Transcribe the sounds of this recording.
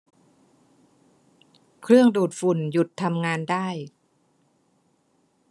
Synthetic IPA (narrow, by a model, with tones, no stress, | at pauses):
kʰɾɯ˥˩əŋduː˨˩t̪̚fu˨˩nju˨˩t̪ʰːa˧mŋaː˧ndaː˥˩j